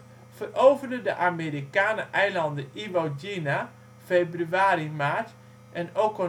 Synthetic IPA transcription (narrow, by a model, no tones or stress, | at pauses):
fərowvəndədəʔameːɾikaːnəʔɛjlɑndəiʋod͡ʒina | febryaːɾimaːɹt | ʔɛnokɔ